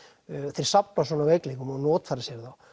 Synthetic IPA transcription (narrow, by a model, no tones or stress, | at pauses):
θeɾ̥sapnasɔnavejkleŋkʏmanɔːt̪faɾɪsjɛɾθaw